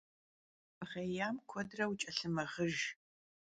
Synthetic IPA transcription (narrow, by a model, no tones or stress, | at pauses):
ʁeːjaːmkʷʰɔdrɐwt͡ʃʼɐɬɨmɐʁəʒ